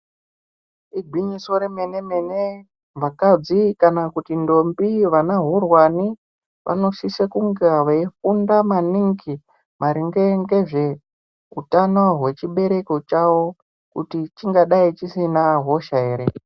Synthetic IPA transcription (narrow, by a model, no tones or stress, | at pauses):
iɡʱwiɲiso̞ɾeme̞ne̞me̞ne | mvakad͡zikanakutindo̞mbiʋanaɦurwani | ʋʔa̰no̞ʃisekuŋɡeaʋaifundamaniŋki | mʔaɾiŋɡeŋɡeʐe̞ | utanoɦwe̞t͡ʃiɓe̞ɾe̞ko̞t͡ʃawo̞ | kṵtit͡ʃiŋɡaɗait͡ʃisinaɦo̞ʃaeːɾe